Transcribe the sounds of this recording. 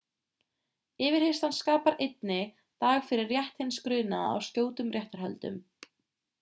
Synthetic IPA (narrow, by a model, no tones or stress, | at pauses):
ɪːvɪɾ̥hejst̪hanskaːpaɾejt̪̚nɪ | t̪aːɣfɪɾɪrːjɛht̪hɪnskɾʏːna̰a̰wscoːwt̪ʏmrjɛht̪aɾ̥ɦœ̰lt̪ʏ̰m